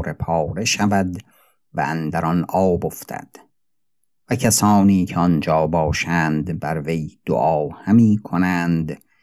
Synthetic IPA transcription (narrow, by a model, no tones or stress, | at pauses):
ɾe̞pʰɒːɾe̞ʃævæd̪ | væ̰ænd̪æɾɒnʔɒːboft̪ʰæ̰d̪̥ | væcʰæsɒːniːcʰeɒnd͡ʒɒːbɒːʃænd̪bæɾvejd̪̥o̰ʔɒːhæmiːkʰonænd̪